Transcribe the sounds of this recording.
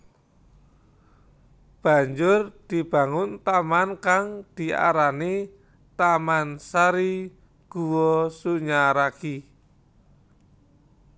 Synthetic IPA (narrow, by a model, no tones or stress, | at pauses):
b̥a̤ɲd͡ʒʊrd̪̥i̤b̥a̤ŋʊnt̪amankaŋd̪̥i̤a̰ɾani | t̪amansaɾi | ɡ̥uwɔsuɲaɾaki